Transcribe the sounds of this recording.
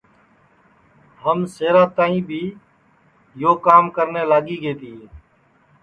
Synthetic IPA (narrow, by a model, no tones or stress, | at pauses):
ɦəmseːɾaːt̪aːĩːbʱiː | joːkaːmkəɾneːlaːɡiːɡeːt̪iːe